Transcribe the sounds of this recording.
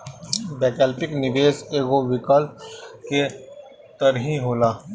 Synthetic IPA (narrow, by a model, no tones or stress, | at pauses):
bɛːkɛːlpɪknɪʋeːseːɡoʋɪkəlp̚ke | t̪ɐɾɦĩɦoːlaː